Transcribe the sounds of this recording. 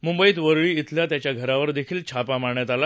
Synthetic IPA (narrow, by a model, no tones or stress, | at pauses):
mumbəiːt̪ʋəɾɭiːit̪ljat̪jat͡ɕjaɡʱəɾaʋəɾd̪ekʰiːlt͡ɕʰapamaɳjat̪ala